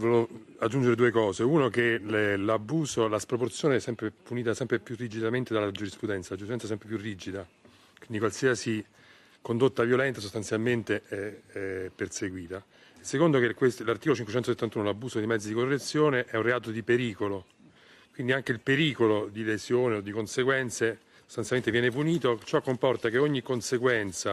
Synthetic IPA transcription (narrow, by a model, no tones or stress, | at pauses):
volo | ad͡ʒːund͡ʒeɾed̪uːekɔːzeunok̟ellabːuːsolaspɾoport̪sjoːneɛsːɛmpɾepuniːt̪asɛmpɾepjurːid͡ʒid̪ament̪ed̪alːad͡ʒuɾispɾud̪ɛnt̪salad͡ʒuɾis̬ɛnt̪ɛsɛmpɾep̬jurːid͡ʒid̪a | kwind̪ikwalsiasi | kond̪ot̪ːavjolɛnt̪asost̪ant̪sjalment̪eɛ | pːerseɡwiːt̪a | esːekond̪okekweslart̪ikolot͡ʃiŋkwet͡ʃɛnt̪oset̪ːant̪uːnolabːuːsod̪ejmɛd̪zːid̪ikorːet̪sːjoːneʔɛunreaːt̪od̪ipeɾiːkolo | kwind̪iaŋk̟eilpeɾiːkolod̪ilezjoːneod̪ːikonseɡwɛnt̪se | sost̪anjalmenevjɛnepuniːt̪ot͡ʃɔkːompɔrt̪ak̟eoɲːikːonseɡwɛnt̪sa